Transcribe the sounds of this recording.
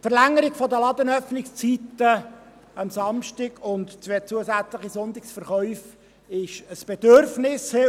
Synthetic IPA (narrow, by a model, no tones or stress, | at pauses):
tfəɾlæŋːəɾɪɡfɔd̪əlɑd̪ənœfnɪkst͡sit̪ə | ɑmsɑmʃtɪɡʊnt̪t͡sʋet͡suəsæt͡slɪχisʊnt̪ɪksfəɾχœʏf | ɪʃəsb̥ɛd̪øɾfnɪsɪ